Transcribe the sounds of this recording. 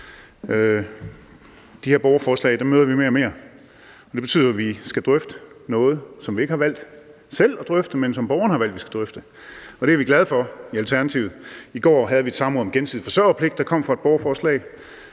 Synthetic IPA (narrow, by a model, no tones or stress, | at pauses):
d̥iheɐ̰b̥ɒʊɐfɒːslɛ̰ɪd̥æmøːðˠɐʋime̝ːɐɒme̝ːɐ | ɒ̽d̥eb̥e̝t͡sʰy̰ð̰ˠɐʋisɡ̥æd̥ʁœfd̥ənɔ̽ːð̞̩ˠsɒ̽mʋie̝ɡ̥əhɑ̈ʋæl̰d̥ | sel̰ɒd̥ʁœfd̥əmensɒ̽mb̥ɒʊɐnəhɑ̈ʋæl̰d̥ʋisɡ̥æd̥ʁœfd̥ə | ɒ̽d̥eæɐʋiɡlæð̞ˠfɒ̽iælt͡sʰæɐnæt͡sʰḭʊð̩ˠiɡ̥ɒ̰ːɦæð̞ˠʋie̝d̥sɑ̈mʁɔ̽ð̩ˠmɡ̥ensið̰̩ˠfɒ̽sɶɐpʰle̝ɡ̥d̥ɑkʰɒ̽m̰fʁɑ̈e̝̥b̥ɒʊɐfɒːslɛ̰ɪ